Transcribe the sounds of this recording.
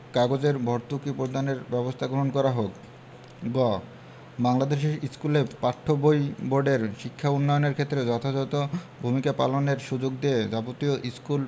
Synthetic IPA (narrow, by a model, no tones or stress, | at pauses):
kaɡod͡ʑeɾbʱɔɾt̪ukipɾoɾd̪ʱaneɾbɛbost̪ʰaɡɾoɦonkɔɾaɦok | ɡɔ | baŋlad̪eʃeʃiskulepaʈʰːobojboɾɖeɾʃikʰːaunːɔjoneɾkʰet̪ːɾed͡ʑɔt̪ʰad͡ʑɔt̪obʱumikapa̰loneɾʃud͡ʑoɡd̪ied͡ʑapot̪ioʔiskul